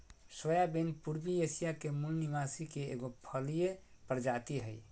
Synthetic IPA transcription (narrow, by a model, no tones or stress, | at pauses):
sojabenpuɾbiesijakemulnimasikeḛɡopʰəlijepɾd͡ʒat̪iɦəj